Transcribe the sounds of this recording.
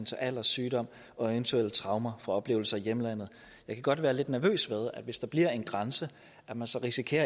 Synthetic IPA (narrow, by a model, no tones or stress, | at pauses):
nt͡sʰe̝ʔæl̰ɐsːyːɾ̥ɒ̽m̰ | ɒ̽eʋnt͡sʰuel̰t͡sʰʁɑ̈ʊmɐfʁɑ̈ɒ̽b̥le̝̰ːʊl̩sɐijeməlæn̰ð̩ˠ | jɑ̈ɪkʰæɡ̥ɒ̽d̥ʋæːɐle̝d̥næɐʋø̰ːsʋeð̞ˠæd̥ʋe̝sd̥ɑ̈b̥liɐ̰e̝nɡ̥ʁɑnsə | ʔæmænsɒʁisikʰe̝̰ːɐ